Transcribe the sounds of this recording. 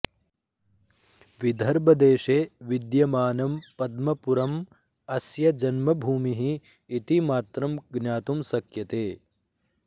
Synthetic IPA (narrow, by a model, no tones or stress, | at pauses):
ʋid̪ʱɐɾbɐd̪eːʃeːʋid̪jɐmaːnɐmpɐd̪mɐpuɾɐm | ɐsjɐd͡ʒɐnmɐbʱuːmiɦiː | t̪imaːt̪ɾɐmɡnjaːt̪umsɐkjɐt̪eː